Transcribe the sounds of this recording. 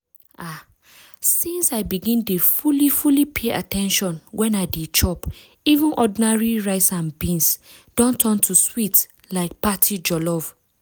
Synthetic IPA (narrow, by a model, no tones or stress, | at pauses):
ʔa | sĩnsaɪbiɡĩndefulifulipʰeʔa̰tɛ̃nʃɔ̃nwʔɛ̃naɪdet͡ʃɔp | ivũnʔɔdinaɹiɹaɪsãnbĩns | d̥ɔ̃ntʰɔ̃ntʰuswit | laɪk̚patʰid͡ʒɔlɔv̥